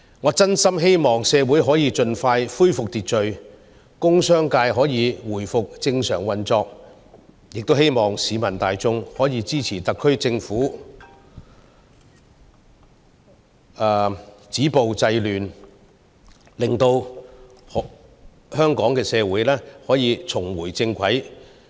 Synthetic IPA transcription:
ŋɔː˨˧˥t͡sɐ˥nsɐ˥mɦe˥jmɔː˨˩ŋsɛː˨˧wuː˨˥jɦɔː˨˥jiː˨˧t͡ʃɵ˧nfaː˧jfuː˥jfʊ˨k̚t̪iː˨t̚t͡ʃɵ˨˧ɥ | kʊ˥ŋsœː˥ŋkaː˧jɦɔː˨˥jiː˨˧wuː˨˩jfʊ˨k̚t͡sɪ˧ŋsœː˨˩ŋwɐ˨nt͡sɔː˧k̚ | jɪ˨k̚t̪o˥whe˥jmɔː˨ŋsiː˨˧mɐ˨˩nt̪aː˨jt͡sʊ˥ŋhɔː˨˥jiː˨˧t͡siː˥t͡sʰiː˨˩t̪ɐ˨kʰːɵ˥ɥt͡sɪ˧ŋfuː˨˥ | ɛː˨˧t͡siː˨˥po˨wt͡sɐ˧jlyː˨˩n | lɪ˨ŋt̪o˧w | h | hœː˥ŋkɔː˨˥ŋkɛː˧sɛː˧wuː˨˥jlɛː˥hɔː˨˥jiː˨˧t͡sʰʊ˨˩ŋwuː˨˩jt͡sɪ˧ŋkʷʰɐ˨˥j

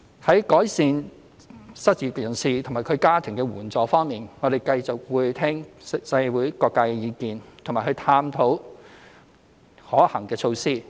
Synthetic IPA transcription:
hɐ˨˥jkɔː˨˥jsiː˧n | sɐ˥t̚t͡siː˨˧kjɐ˨˩nsiː˨t̪ʰʊ˨˩ŋmaː˨˩jkʰɵ˨˧ɥkaː˥t̪ʰɪ˨˩ŋkɛː˧wuː˨˩nt͡sɔː˨˧fɔː˥ŋmiː˨nŋɔː˨˧ɾe˨jkɐ˧jt͡sʊ˨k̚wuː˨˧jt̪ʰɛː˥ŋsɐ˧˥jwuː˨˥jkɔː˧kːaː˧jkɛ˧jiː˨˧kiː˨˧nt̪ʰŋmaː˨˩hɵ˧ɥt̪ʰaː˧mt̪ʰo˨˥w | hɔː˨˥hɐ˨˩ŋkɛː˧t͡sʰo˧wsiː˥

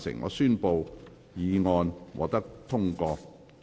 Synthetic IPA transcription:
sɪ̰˨˩ŋːɔ̰ː˧syː˥npo˨w | jiː˨˧ŋɔː˧nwɔ̰ː˨˩t̪ɐ˥k̚t̪ʰʊ˥ŋkɔː˧

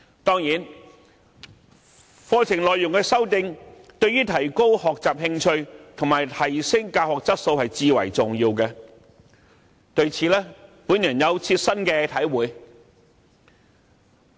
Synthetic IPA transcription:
t̪ɔː˥ŋjiː˨˥n | fɔː˧t͡sʰɪ˨˩ŋlɔː˨jʊ˨ŋkɛː˧sɐ˥wt̪ɪ˧ŋt̪ɵ˧ɥyː˥t̪ʰɐ˨˩jko˥whɔː˨k̚t͡saː˨p̚hɪ˧ŋt͡ʃʰɵ˧ɥt̪ʰʊ˨˩ŋmaː˨jt̪ʰɐ˨˩jsɪ˥ŋkaː˧whɔː˨k̚t͡sɐ˥t̚so˧whɐ˨jt͡siː˧wɐ̰˨˩jt͡sʊ˨ŋjiː˧wkɛ˧ | t̪ɵ˧ɥt͡sʰiː˨˧lɛː˥pu˨˥njœ˨˩njɐ˨˧wt͡sʰiː˧t̚sɐ˥nkɛː˧t̪ʰɐ˨˥jwuː˨˧j

